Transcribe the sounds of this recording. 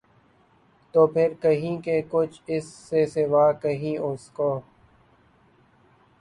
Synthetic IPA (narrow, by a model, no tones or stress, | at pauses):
t̪oːpʰɪɾkəɦĩːkekʊt͡ʃʰɪsːeseʋaːkəɦĩːʔʊskoː